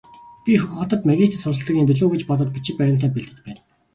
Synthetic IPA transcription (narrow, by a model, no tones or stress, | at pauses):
pʲixɵx̆χə̆t̪ə̆t̪mæɣʲiːst̪sʊrsə̆ɮt̪ə̆ɣʲiːmpiɮoːɣĕt͡ɕpɔt̪ɞ̆t̪̚pʲi̥t͡ɕɪ̆k̚pæɾʲɪ̆m̥t̪ʰæːpeɮt̪ɘ̆t͡ɕpæːn